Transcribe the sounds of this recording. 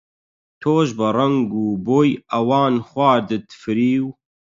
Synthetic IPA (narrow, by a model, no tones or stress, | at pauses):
t̪ʰoːʒbɨrɐŋɡuːboːjɐwaːnxwʷaːd̪ɨt̪fɨɾiːw